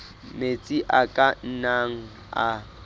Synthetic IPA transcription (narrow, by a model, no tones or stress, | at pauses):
met͡sʼiʔakʼan̩naŋ̩ | a̰